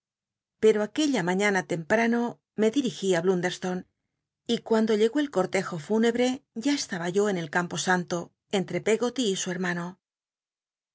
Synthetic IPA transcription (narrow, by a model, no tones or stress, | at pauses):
pe̞ɾoake̞ʎamãɲanat̪e̞mpɾano̞ | me̞ðiɾixiaβlund̪e̞ɾst̪o̞n | ikwand̪o̞ʎe̞ɣo̞e̞lko̞ɾt̪e̞xo̞fune̞βɾe̞ʝae̞st̪aβaʝo̞e̞ne̞lkampo̞sant̪o̞ | e̞nt̪ɾe̞pe̞ɣo̞t̪iːsue̞ɾmano̞